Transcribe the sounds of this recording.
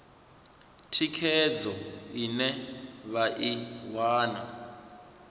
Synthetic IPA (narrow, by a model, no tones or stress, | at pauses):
tʰikʰɛd͡zɔinɛβaʔiwaːna